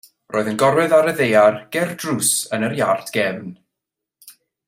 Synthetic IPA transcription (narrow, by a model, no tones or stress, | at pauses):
roːɨðənɡɔɾwɛðaɾəðejarɡ̥ɛrdrusənərjartʰɡ̥ɛvn